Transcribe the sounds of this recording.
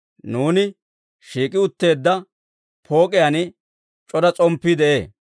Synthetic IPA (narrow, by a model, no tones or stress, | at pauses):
nuːnɪ | ʃiːkʼːɪʊt̪ːe̞ːd̪ːɐ | pʰo̞ːkʼɪjɐnɪ | t͡ʃʼɔd̪ɐt͡sʼɔmpːɪd̪ɛʔe̞ː